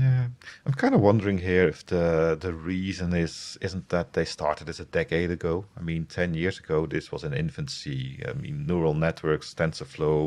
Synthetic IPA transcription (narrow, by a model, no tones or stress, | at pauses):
jæ̃ɪ̃mkʰãɪ̃ndəwʌ̃ndə˞ɪ̃ŋɦiɹɪfðəðɨɹizɨ̃nɪz̥ɪz̃n̩ðət̪̚ðeɪstɑ̰ɹtɨdɨzɨdɛkeɪɾɨɡoʊaɪmĩntʰɛ̃njɪɹzɨɡoʊðɪswʌzɨ̃nɪ̰̃ɱfɨ̃nsia̰ɪmḭ̃nːuɹl̩ˠnɛt̚ʰwɜ˞kstɛ̃nsəfloʊ